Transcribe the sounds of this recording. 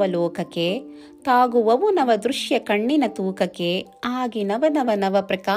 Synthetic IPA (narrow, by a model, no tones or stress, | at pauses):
ɐlɔːkɐkːe | t̪aːɡuʋɐʋunɐʋɐd̪ɾuʃjɐkɐɳːinɐt̪uːkɐkːeaːɡinɐʋɐnɐʋɐnɐʋɐpɾɐka